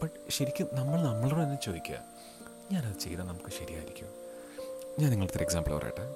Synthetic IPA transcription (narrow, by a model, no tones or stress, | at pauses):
bɐʈɕɐɾikʲːunɐmːɐɭnɐmːɐɭoːɽet̪ɐnːet͡ɕo̞ːðikʲːua̰ | ɲaːnɐðɨt͡ɕejːðaːnɐmukːɨɕɐɾijaːjḭɾikʲːum | ɲaːniŋːɐɭt̪ɐɾeksaːmbɭɐ̰ʋɐrʔa̰ːj̰ʈːɨ